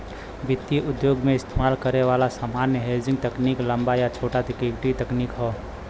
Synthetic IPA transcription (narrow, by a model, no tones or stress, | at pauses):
bɪt̪ːjiʔʊd̪joːɡmẽɪst̪ʰemaːlkəɾeʋaːlasamaːnjəɦeld͡ʒɪ̃ŋɡt̪əkniːklə̃mbajat͡ʃʰoːʈat̪ɪkiɡʈit̪əkniːkɦoː